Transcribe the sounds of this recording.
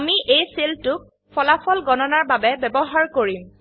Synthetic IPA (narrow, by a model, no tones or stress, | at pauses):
amiʔejseltʊk̚ | pʰɔlapʰɔlɡɔnɔnaɹbabɛbɛbɔɦaɹkoɹim